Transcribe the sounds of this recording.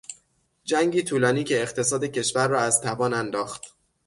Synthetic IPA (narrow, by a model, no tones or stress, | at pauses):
d͡ʒæŋɡɟiːt̪ʰuːlɒːniːcʰe̞ːχt̪ʰe̞sɒːd̪ecʰe̞ʃvæɾːɒːæzt̪ʰævɒːnænd̪ɒːxt̪